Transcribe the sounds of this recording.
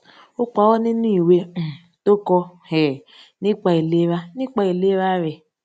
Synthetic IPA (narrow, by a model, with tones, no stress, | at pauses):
ʊ˦k͡pa˨wɔ˦nɪ˦n˦i˦˨we˦˨ | to˦kɔ˦he˨ | nɪ˦k͡pa˨i˨le˦βa˦nɪ˦k͡pa˨i˨le˦ɾa˦ɾɪ˨